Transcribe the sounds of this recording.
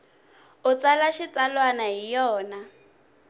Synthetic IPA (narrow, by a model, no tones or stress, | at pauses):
ʊt͡salaʃit͡salwanaɦijɔːna